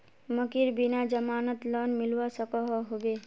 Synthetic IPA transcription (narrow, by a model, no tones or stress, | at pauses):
məkiɾbinad͡ʒəmaːnət̪lɔnmilwasəkɔɦɔɦobe